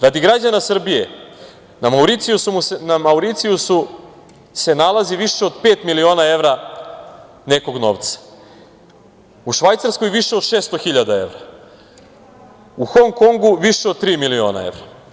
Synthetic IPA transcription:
ɾad̪iɡɾad͡ʑanasr̩bije̞ | namauɾit̪sijusumunamauɾit̪sijusu | se̞nalˠaziʋiʃeod̪pe̞ːt̪milio̞ːnae̞ʋɾa | ne̞ko̞ɡno̞̰ʋt̪sḁ | uʃʋajt̪saɾsko̞jʋiʃeod̪ʃeːst̪oxiʎad̪ae̞̰ʋɾa | uxo̞ŋko̞ŋɡuʋiʃeod̪̚t̪ɾiːmilio̞̰ːna̰e̞̰ʋɾa

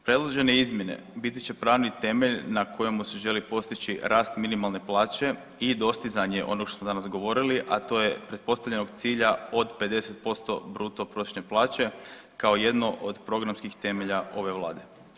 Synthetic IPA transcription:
pɾe̞d̪lˠoʒe̞neizmʲje̞ne̞̰bit̪i̥t͡ʃe̞pɾaːʋnit̪e̞meʎnakʰo̞jemuseʒe̞lipo̞st̪it͡ʃiɾaːst̪minimalˠne̞plaːt͡ʃe̞ | id̪o̞st̪izaɲe̞ʔo̞̰no̞ɡʃt̪osmoanasɡo̞ʋo̞ɾiliʔat̪o̞ːjepɾe̞t̪̚po̞st̪aʋʎe̞no̞ɡt̪siːʎao̞d̪pe̞d̪e̞se̞t̪̚po̞st̪o̞bɾuːt̪opɾot̪ʃneplˠaːt͡ʃe̞ | kao̞je̞d̪no̞ʔod̪pɾo̞ɡɾamskixt̪e̞me̞ʎaʔo̞ʋe̞ʋlˠaːd̪e̞

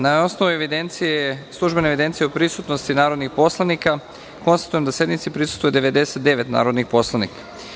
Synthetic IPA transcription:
nao̞sno̞ʋueʋid̪ent̪sijeslˠuʒbe̞neʋid̪e̞nt̪sijeopɾisut̪nost̪inaːɾod̪nixpo̞slˠanika | ko̞nst̪ḁt̪ujemd̪asje̞d̪mit̪sipɾisust̪vojed̪e̞ʋe̞d̪e̞set̪d̪e̞ʋet̪na̰ːɾod̪nixpo̞slˠanḭkḁ

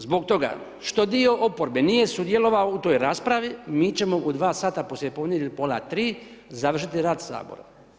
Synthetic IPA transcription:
zbo̞kt̪o̞ɡa̰ | ʃt̪o̞d̪io̞ʔopoɾbenije̞sud̪je̞lo̞ʋaout̪o̞ːjɾaːspɾaʋimiːt͡ɕe̞mo̞ʔud̪ʋaːsaːt̪aposlʲepo̞d̪njed̪ʲlʲpola̰t̪ɾiːzaʋr̩ʃit̪iɾaːd̪sa̰ːbo̰ɾa̰

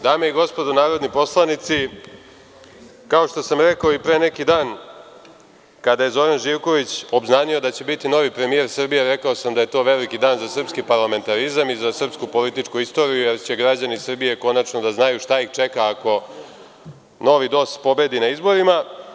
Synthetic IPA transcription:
d̪aːmeiɡo̞spo̞d̪onaːɾo̞d̪nipo̞slˠanit̪si | kao̞ʃt̪o̞samɾe̞kao̞ipɾe̞ːne̞kid̪aːn | kad̪aje̞zo̞ɾanʒiːʋko̞ʋit͡ɕo̞bznaːnio̞d̪at͡ɕe̞bit̪ino̞ʋipɾe̞mije̞ɾsr̩bijeɾe̞kaosamd̪aje̞t̪o̞ːʋe̞likid̪aːnzasr̩pskipaɾlˠame̞nt̪aɾizamizasr̩pskupo̞lit̪it͡ʂkuist̪o̞ːɾijuje̞ɾt͡ɕe̞ɡɾad͡ʑanisr̩bije̞ko̞nat͡ʃno̞d̪aznajuʃt̪aixt͡ʂe̞kaːko̞ | no̞ʋid̪o̞spo̞be̞d̪inaizbo̞ɾima

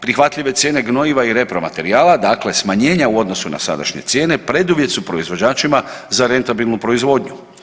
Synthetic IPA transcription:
pɾixʋat̪lʎiʋe̞t̪sje̞ːne̞ɡno̞iʋaiɾe̞pɾo̞ma̰t̪e̞ɾiaːlˠad̪akle̞smaɲe̞ːɲauo̞d̪no̞suna̰sa̰d̪a̰ʃɲe̞̰t̪sje̞ːne̞pɾe̞d̪uʋje̞t̪supɾo̞izʋo̞d͡ʑaːt͡ʃimazaɾe̞nt̪abilˠnupɾo̞izʋo̞d̪ɲu

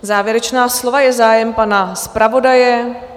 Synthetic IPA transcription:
zaːvjɛɾɛt͡ʃnaːslo̞vajɛzaːjɛmpanaspɾavo̞dajɛ

